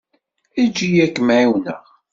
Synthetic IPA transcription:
id͡ʒːijækːəmʕiwnə̰ʁ

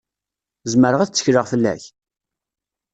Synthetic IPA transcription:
zməɾəʁæθt͡sːə̥çɾəʁfəlːæ̰ç

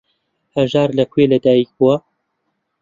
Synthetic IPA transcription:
hɐʒaːɾlɐkʰʷweːlɐd̪aːjik̚buwɐ

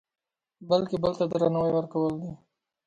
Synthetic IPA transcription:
bəlkebəlt̪ad̪ɾanawajwəɾkawəld̪i

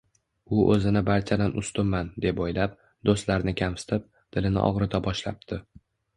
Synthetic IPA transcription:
ʊʔɵzɪnɪbaɾt͡ʃʰad̪anʔʊst̪ʊmːand̪e̞pojlap̚ | d̪ost̪laɾnɪkʲʰamsɪ̥t̪ʰɪp̚ | d̪̥ɪlɪnɪ̰ʔɒ̰ʁɾɪt̪ʰabɒʃlap̚d̪̥ʰɪ

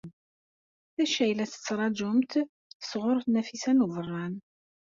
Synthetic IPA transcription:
θæʃæjlæsə̥t͡sːɾˤɑd͡ʒʊmt̪ | θə̥sʁʊɾˤθnæfisænuvərˤːɑn

